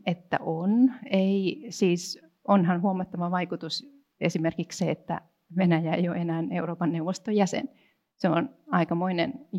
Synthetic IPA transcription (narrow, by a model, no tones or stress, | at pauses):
et̪ːæ̰ʔoneisiːs | onhɑnhuɑmɑt̪ːɑʋɑʋɑikut̪us | ḛsimerkiksseet̪ːæ̰ | ʋenæjæḛijo̰ʔenæːneuroːpɑnːeuʋost̪ojæsḛn | seo̰nɑikɑmoinḛn